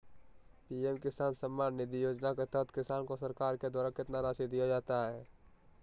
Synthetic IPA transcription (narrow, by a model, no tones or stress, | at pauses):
piːɛmkɪsaːnsəmːaːnːɪd̪ijoːd͡ʒnaket̪ət̪kɪsaːnkosəɾkaːɾked̪aːɾakɪt̪naɾaːsid̪ijad͡ʒaːt̪aɦɛː